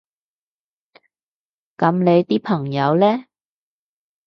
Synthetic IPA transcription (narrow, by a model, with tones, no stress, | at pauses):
kɐ˨˧mne˨˧jt̪iː˥pʰɐ˨˩ŋjɐ˨˧wlɛː˥